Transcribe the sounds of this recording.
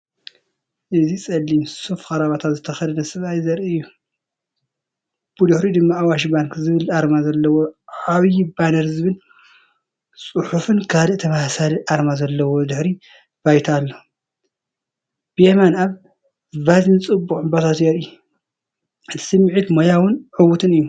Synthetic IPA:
ʔɨzisʼɐlːimsufkʼɐɾaβat̪ʰat̪zɨt̪ʰɐxɐd̪ɐd̪ɐsɨβajzɐɾʔɨɨjːu | b̥ɨd̪ɨħɾid̪ɨmːaawaʃibaŋkzɨβɨlaɾmazɐlːɐwoʕaβjibanɐɾzɨβɨl | sʼɨħufɨnkʰalɨʔt̪ʰɐmahsaliʔaɾmazɐlːɐwod̪ɨħɾi | b̥ajt̪ʰalːo | b̥ɨjemanaβ | vazint͡sʼɨbːuχʼɨbot̪ʰat̪jeɾɨjːu | ʔɨt̪ʰi̥sɨmːɨʕit̪mojawʊnʕɨβut̪ʰɨnɨjːu

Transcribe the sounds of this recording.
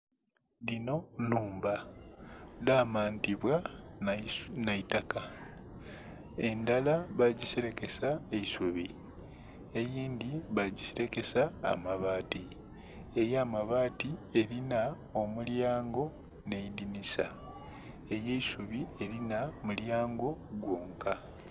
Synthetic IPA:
lino̞nuːmba | laːmaːntiβwa | naitaka | e̞ndalaβaɟiseɾe̞ke̞saeisuβi | ejiːndiβaɟiseɾe̞ke̞sa̰ːmaβaːti | e̞jaːmaβaːtie̞ɾina | o̞muljaːŋɡo̞ | ne̞idinisa̰ | e̞je̞isuβie̞ɾinamuljaːŋɡo̞ɡwoːŋka

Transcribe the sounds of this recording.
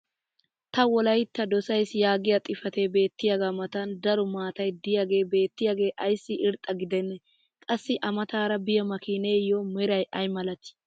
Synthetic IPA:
t̪ɐwɔlɐjt̪ːɐd̪ɔsɐjsjaːɡɪjɐt̪ʼɪfɐt̪ebe̞ːt̪ːɪjaɡaːmɐt̪ɐnd̪ɐɾʊmaːt̪ɐjd̪ɪjaɡe̞ːbe̞ːt̪ːɪjaɡe̞ːʔɐjsːɪʔɪɾt̪ʼɐɡɪd̪ɛnːɛ | kʼɐsːɪʔɐmɐt̪aːɾɐbɪjɐmɐkiːneːjomɛɾɐjʔɐjmɐlɐt̪ɪ̥

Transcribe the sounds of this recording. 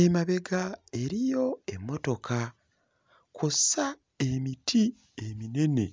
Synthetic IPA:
emaβe̞ɡae̞ɾijo̞e̞mːo̞to̞kʰa | kʰusa | e̞mitʰi | emine̞ne̞

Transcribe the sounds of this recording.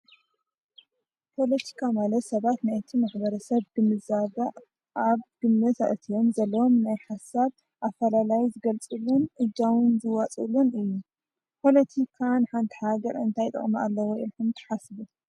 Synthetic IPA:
pʰo̞lɐt̪ʰi̥kʰamalɐt̪sɐβat̪najt̪ʰimaħbɐɾɐsɐβɡɨmːɨzaβɐ | ʔaβɡ̥ɨmːɐza̰ʔɨt̪ʰijo̞mzɐlːɐwo̞mnajħasaβ | ʔafɐlalajizɨɡɐlt͡sʼɨlːunʔɨd͡ʒawɨnzɨwat͡sʼɨlunɨjːu | pʰo̞lɐt̪ʰikʰanħant̪ʰi̥haɡɐɾɨ̰nt̪ʰajt̪ʼɐ̰χʼmɐa̰lːɐwoʔilħumt̪ʰɨ̥ħasɨβu

